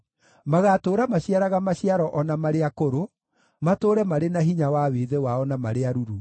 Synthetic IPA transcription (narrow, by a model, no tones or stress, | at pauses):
maɣatoːɾamaɕiaɾaɣamaɕiaɾɔʔɔnamaɾeakoɾo | matoːɾɛmaɾenaɦiɲawaweːðewaɔnamaɾeaɾuɾu